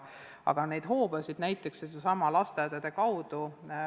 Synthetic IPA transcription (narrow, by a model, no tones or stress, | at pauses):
ɑ̰ɡ̥ɑne̞jd̪̥ɦo̞ːb̥ɑsid̪næjt̪ːˑekssed̪esɑmɑlɑst̪ed̪ed̪̥ekɑwd̪̥u